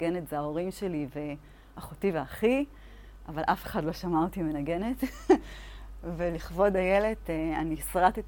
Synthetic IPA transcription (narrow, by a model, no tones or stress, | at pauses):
ɡenetzeaoʁimʃelive | aχotiveaχi | avalʔafeχadlo̞ʃamatime̞naɡe̞ne̞t | veliχvo̞dajele̞teanisʁatit